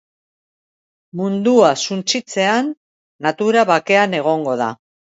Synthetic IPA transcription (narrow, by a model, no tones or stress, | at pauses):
mund̪uasunt͡sit͡se̞anː | at̪uɾaβake̞ane̞ɣ̞o̞ŋɡo̞ð̞a̰